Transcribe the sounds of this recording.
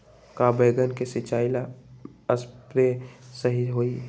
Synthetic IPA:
kabəjɡənkesɪt͡ʃaːɪlaəspɾesəɦiɦoi

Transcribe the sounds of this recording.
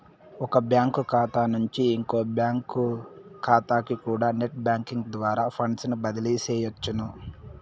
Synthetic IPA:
ɔkɐbjaːŋkukʰaːt̪aːnuɲt͡ʃiːŋkoːbjaːŋkukʰaːt̪aːkikuːɽaːneʈ̚bjaːŋkiŋɡd̪ʋaːɾaːpʰɐɳɖsnubɐd̪ɐliːsɛːjɐt͡ʃːunu

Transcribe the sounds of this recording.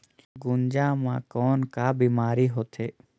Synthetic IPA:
ɡʊnd͡ʒaːmãːkɔːnkaːbiːmaːɾiːɦoːt̪ʰeː

